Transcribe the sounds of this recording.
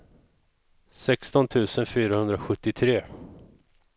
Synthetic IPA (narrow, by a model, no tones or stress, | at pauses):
sɛkst̪ɔnt̪ʰʉ̟ːsənfyːɾahɵnd̪ɾaɧɵt̪ːɪt̪ʰɾeː